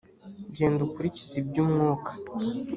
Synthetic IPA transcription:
ɟe̞ːndukuɾicizibɟuːmŋoːkʰḁ

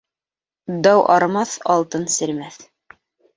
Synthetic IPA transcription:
d̪ɑwʔɑɾmɑθɑlˠt̪ɤnsɘ̆ɾmæθ

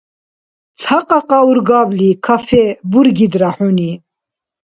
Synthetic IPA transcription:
t͡sʰaqʼaqʼauɾɡablikʰafɛbuɾɡid̪ɾaħuni

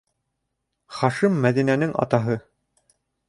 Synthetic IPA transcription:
χɑʃimːæðinænɘŋʔɑ̰t̪ɑɦɤ

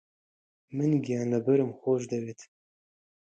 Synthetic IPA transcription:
mɨnɡijaːnɐbɨɾɨmxoʒd̪ɐwet̪ʰ

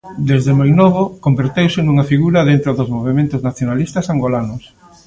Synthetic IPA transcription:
d̪ezðemojnoβ̞okombeɾt̪ewsɪnuŋɐfiɣuɾɐðent̪ɾoðozmoβ̞emẽnt̪ʊznaθjonalist̪ɐsaŋɡolanʊs

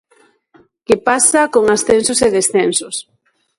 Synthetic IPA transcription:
kepasakoŋasθensoseðesθensos

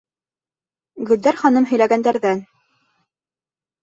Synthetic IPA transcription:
ɡɵ̆ld̪æɾχɑnɤmɦɵ̆jlæɡænd̪æɾðæn

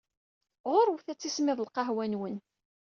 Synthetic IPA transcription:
ʁoɾwθæt͡sːismɪðəlqɑɦwænwən

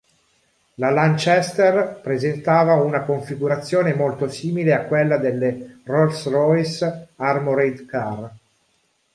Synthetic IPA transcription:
lalant͡ʃɛst̪ɛrpɾezent̪aːvaunakoɱfiɡuɾat̪sːjoːnemolt̪osiːmileakːwelːad̪elːerɔlsrɔjsarmoɾejd̪kar

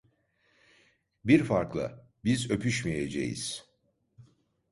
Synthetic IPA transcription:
biɾfaɾklˠa̰ | bizø̞pʰyʃmijed͡ʒḛjḭz̥

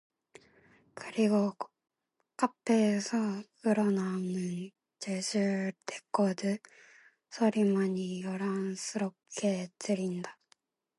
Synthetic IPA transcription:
kɯɾiɡo | k͈apʰesʰʌkɯɾʌnanɯn | t͡ɕesʰɯɭtek͈ʌdɯ | sʰʌɾimaɲijʌɾaŋs͈ʰɯɾʌp̚k͈e̞tɯɾinda

